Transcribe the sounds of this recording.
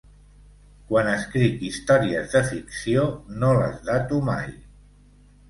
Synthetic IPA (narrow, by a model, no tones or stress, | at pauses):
kwanəskɾikist̪ɔɾiəzðəfiksionolə̰zðat̪uma̰j